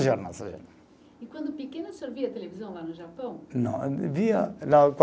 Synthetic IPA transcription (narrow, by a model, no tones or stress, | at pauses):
ʒɔɾna̰sɐʒo̰ɾna | ikwɐ̃nd̪ʊpekenɐsoɾviɐt̪elevizɐ̃w̃lanʊʒapɐ̃w̃nɐ̰̃w̃viɐlak